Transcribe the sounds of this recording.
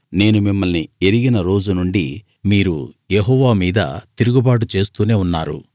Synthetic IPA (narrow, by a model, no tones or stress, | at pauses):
ne̞ːnumimːɐlnieɾiɡinɐɾo̞ːd͡ʒunuɳɖi | miːɾṵjeɦɔːʋaːmiːd̪ɐ̰t̪iɾuɡubaːʈ̬ut͡ʃe̞ːst̪uːne̞ːunːaːɾṵ